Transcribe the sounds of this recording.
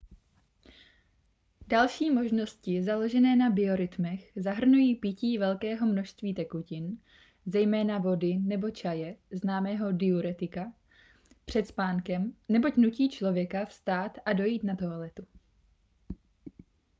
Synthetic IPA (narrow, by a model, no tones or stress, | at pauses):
dalʃiːmo̞ʒno̞scɪzalo̞ʒɛnɛːnabɪo̞ɾɪt̪mɛxzaɦr̩nujiːpɪciːvɛlkɛːɦo̞mno̞ʃst̪viːt̪ɛkucɪn | zɛjmɛːnavo̞dɪnɛbo̞t͡ʃajɛznaːmɛːɦo̞dɪuɾɛt̪ɪka | pr̝̥ɛt̪spaːŋkɛmnɛbo̞cnuciːt͡ʃlo̞vjɛkafst̪aːt̪ʔado̞jiːt̪nat̪oalɛt̪u